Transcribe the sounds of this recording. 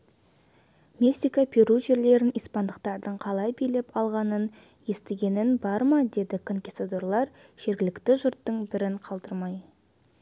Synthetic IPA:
mʲe̞ksijkapʰeɾuʒe̞ɾle̞ɾɪnijspɑnd̪əq̚t̪ɑɾd̪əɴqʰɑlˠɑjbijle̞pɑlˠʁɑnən | je̞st̪eɡʲe̞nɪnbɑɾmɑd̪e̞d̪ɪkʰoŋkʲist̪at̪oɾlˠɑɾʒ̥e̞ɾɡʲɪlɪkt̪ɪʒʊɾt̪ːəɴbɪɾɪɴqʰɑlˠd̪əɾmɑj

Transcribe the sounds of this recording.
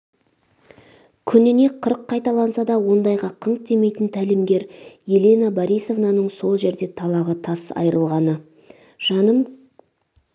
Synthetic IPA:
kʲʰʏnɪne̞qʰəɾəqʰːɑjt̪ɑlˠɑnsɑd̪ɑwo̞nd̪ɑjʁɑqʰəɴt̪e̞me̞jt̪ənt̪ʰælɪmɡʲe̞ɾjelenabɑɾijso̞vnɑnəɴso̞lˠʒe̞ɾd̪e̞t̪ʰɑlˠɑʁət̪ʰɑsɑ̰jɾəlˠʁɑnə | ʒ̥ɑnəm

